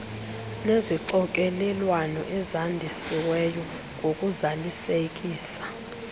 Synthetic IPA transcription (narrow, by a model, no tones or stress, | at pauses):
neziǀɔk̬ʼelɛlwanɔʔɛzandʱisiwɛjɔ | ŋʱokʼuzalisek̬ʼiːsḁ